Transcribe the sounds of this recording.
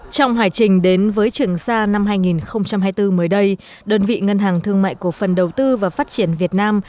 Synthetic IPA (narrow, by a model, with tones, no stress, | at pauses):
t͡ɕɔ˧wŋ͡mɦwaː˧˩jt͡ɕï˨˩ŋ̟ɗe˨˦nvəː˨˦jt͡ɕɨ˨˩əŋsaː˧na˧mɦaː˧jŋi˨˩nxə˧wŋ͡mt͡ɕa˧mɦaː˧jt̪ɨ˧məː˨˦jɗə˧j | ɗəː˧nvḭ˧˨ŋə˧nɦaː˨˩ŋt̪ʰɨ˧əŋma̰ː˧˨jku˧˩əfə˨˩nɗə˨˩wt̪ɨ˧vaː˨˩faː˦˥t̚t͡ɕi˧˩ənvi˨˩ət̚naː˧m